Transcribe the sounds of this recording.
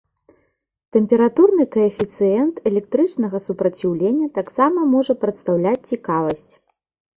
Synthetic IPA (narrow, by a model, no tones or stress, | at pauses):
t̪ɛmʲpʲɛɾat̪urnɨkɐɛfʲit̪sɨjɛnt̪ɛlʲɛk̚t̪ɾɨt͡ʂnɐɣɐsupɾɐt͡sʲiwlʲenʲːɐt̪aksamɐmɔʐɐpɾɐt̪st̪awlʲat͡sʲt͡sʲikavɐsʲt͡sʲ